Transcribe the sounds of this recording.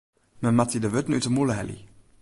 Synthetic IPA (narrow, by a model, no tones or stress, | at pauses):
məmatidəvøt̪n̩ytəmuləɦɛ̰lḭ